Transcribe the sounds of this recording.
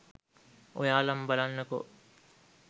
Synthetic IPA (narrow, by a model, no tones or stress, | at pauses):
ʔojaːlɐmbalanːɐko̰